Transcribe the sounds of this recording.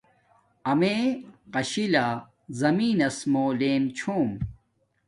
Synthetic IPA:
ɐmeːqɐɕilaː | zɐmiːnɐsmoːleːmt͡ɕʰoːm

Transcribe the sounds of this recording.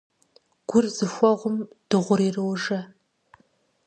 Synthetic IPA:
ɡ̥ʷʊrzɨxʷɔʁʷʊmd̥ɨʁʷʊɾiːrɨwʒɐ

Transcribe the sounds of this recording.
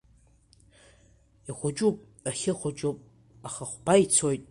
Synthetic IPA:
iχʷʊd͡ʒʼupʼ | aχʲɪχʷad͡ʒʼupʼ | aχaχʷbait͡sʰojtʼ

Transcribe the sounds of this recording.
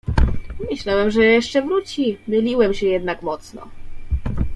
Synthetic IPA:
mɘɕlawɛmʐɛjɛʂt͡ʂɛvɾut͡ɕimɘlʲiwɛmɕɛjɛd̪nakmɔt̪snɔ̰

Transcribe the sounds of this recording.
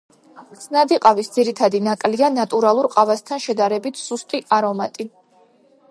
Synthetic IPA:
t̪sʰnad̪iqʼavisd̪ziɾit̪ʰad̪inakʼlianat̪ʼuɾalˠuɾqʼavast̪ʰanʃɛd̪aɾɛbit̪ʰsust̪ʼiʔaɾɔmat̪ʼi

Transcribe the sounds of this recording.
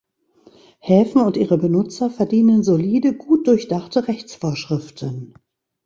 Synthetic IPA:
hɛːfn̩ʊntʔiːʁəbənʊt͡sɐfɛɐdiːnənzoliːdəɡuːt̚d̥ʊɐçd̥aχtəʁɛçt͡sfoːɐʃʁ̥ɪftʰən

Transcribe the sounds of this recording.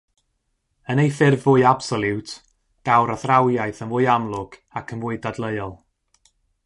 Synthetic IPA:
ənejfɪrvʊːɨab̥sɔlˠɪwtʰ | d̥awɾaθrawjajθənvʊːɨamlˠʊɡ̥akʰənvʊɨdadlˠəɨɔlˠ

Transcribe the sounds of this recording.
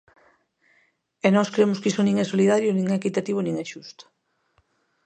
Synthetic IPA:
ɛnɔskɾemʊskisʊnĩŋɛsoliðaɾjonĩŋɛkit̪at̪iβ̞onĩŋɛʃust̪o̥

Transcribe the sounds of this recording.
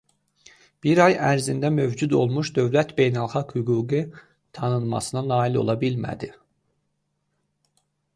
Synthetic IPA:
b̥iɾɑjæɾzind̪æmø̞vd͡ʒud̪o̞lˠmuʃd̪ø̞vlæt̪be̞jnælˠxɑɡhyɡuːɡi | t̪ʰɑnɯnˠmɑ̰sɯnɑnɑːilo̞̰lˠɑbilmæ̰d̪i

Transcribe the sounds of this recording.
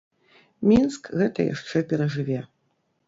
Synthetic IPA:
mʲinskɣɛt̪ɐ̰ja̰ʂt͡ʂɛpʲɛɾɐʐɨvʲɛ

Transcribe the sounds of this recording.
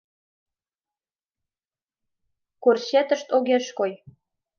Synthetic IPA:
korɕet̪ə̆ʃt̪oɣeʃkoj

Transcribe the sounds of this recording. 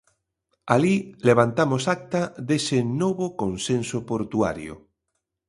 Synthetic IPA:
alileβ̞ant̪amosak̚t̪aðesenoβokonsẽnsopoɾt̪ua̰ɾjo̰

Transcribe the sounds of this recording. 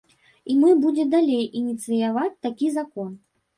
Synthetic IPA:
imɨbud͡zʲɛd̪alʲejʔinʲit̪sɨjavat͡sʲt̪akʲizakɔn

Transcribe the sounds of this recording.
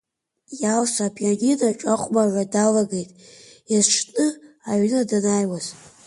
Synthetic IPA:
jalsʷapʰjaninaʈ͡ʂʼaχʷʼmaʕʷadalaɡejtʼjazʈ͡ʂʰʼnɨaɥnadanajwaz

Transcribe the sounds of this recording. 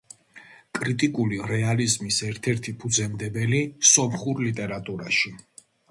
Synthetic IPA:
kʼɾit̪ʼikʼuliɾɛalizmisɛɾt̪ʰɛɾt̪ʰipʰud̪zɛmd̪ɛbɛlisɔmχuɾlit̪ʼɛɾat̪ʼuɾaʃi

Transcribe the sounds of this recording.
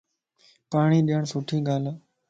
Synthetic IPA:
paːɳiːɗijəɳsʊʈʰiːɠaːlː

